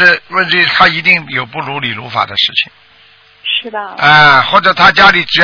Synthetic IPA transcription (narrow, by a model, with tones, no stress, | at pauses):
ɻ̩˥˧wə˥˩nt̪ʰi˧˥t̪ʰa˥i˧˥t̪i˥˩ŋjo˨˩ʊpu˥˩lu˧˥li˨˩lu˧˥fa̰˨˩d̪ə̰˦ʂɻ̩˥˩t͡ɕʰḭ˨˩ŋ | ʂ̩˥˩də˥˧xwɔ˥˩ʈ͡ʂɤ˨˩t̪ʰa˥t͡ɕja˥li˨˩ʈ͡ʂɻ̩˨˩j